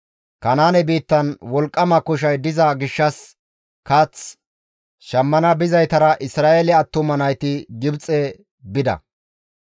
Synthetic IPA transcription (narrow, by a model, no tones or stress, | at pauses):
kɐnaːnɛbiːt̪ːɐnwɔlkʼːɐmɐkʊʃ̬ɐjd̪ɪzɐɡɪʃːɐs | kɐt͡s | ʃɐmːɐnɐbɪzɐjt̪ɐɾɐʔɪsɾaːʔelɛɐt̪ːʊmɐnɐjt̪ɪɡɪbt͡sʼɛ | bɪd̪ɐ̰